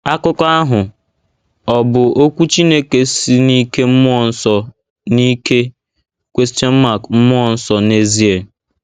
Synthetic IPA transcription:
a˦kʊ˦kɔ˦a˦ɦʊ˨ | ɔ˨bʊ˨o˦kʷu˦t͡ʃi˦ne˦ke˨si˦ni˦ke˦m̩˦mʊ˦ɔ˨n̩˦sɔ˨ | ni˦ke˦ | kʷe˦s̬tɔ˦m̩˦ma˦˨km̩˦mʊ˦ɔ˨n̩˦sɔ˨ne˦zi˦e˨

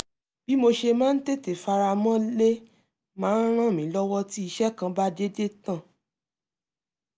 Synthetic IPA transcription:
b̥i˦mo˧ʃe˧mãː˦n̩˦te˦te˨fa˧ɾa˧mɔ̃˦le˦ | mãː˦n̩˦ɾ̃ã˦˨mĩ˨˦lɔ˦wɔ˦ti˦i˧ʃɛ˦kã˧ba˦de˦de˦tã˦˨

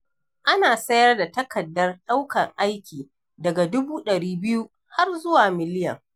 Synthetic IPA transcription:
ʔa˦naː˨sɐ˦jɐ˦rda˨tɐ˦kɐ˨dːɐ˦rɗa˦wkɐ˨ŋʔa˦jkʲiː˨ | dɐ˨ɡa˨dʊ˦buː˦ɗɐ˨ɽiː˦bɪ˦ju˦ | ha˦rzʊ˦waː˨mɪ˨lɪ˦jɐ̰˨ŋ

